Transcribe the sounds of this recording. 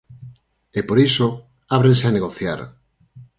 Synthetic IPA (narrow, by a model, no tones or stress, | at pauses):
epoɾiso | aβ̞ɾenseaneɣoθja̰ɾ